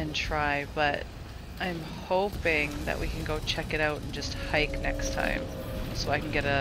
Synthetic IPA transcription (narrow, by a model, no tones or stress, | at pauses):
ɨ̃ntʰɹ̥aɪb̥ʌɾ | ãɪ̃m | hoʊpɪ̃ŋðɨ̰ʔwʔikɨ̃nɡoʊt͡ʃʰɛkɨɾaʊɾn̩d͡ʒʌst̚haɪknɛkstʰã̰ɪ̃msoʊaɪkn̩ɡɛɾɨ